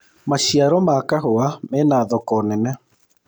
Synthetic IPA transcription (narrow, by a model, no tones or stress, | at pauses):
maʃiaɾɔmakaɦoamɛnaːðɔkɔnɛnɛ